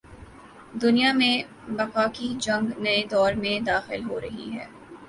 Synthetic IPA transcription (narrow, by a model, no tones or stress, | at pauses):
d̪ʊnijamẽ | bɐqaːkid͡ʒɐ̃ŋɡnɐed̪ɔːɾmẽd̪aːxɪlɦoɾɐɦḭɦɛː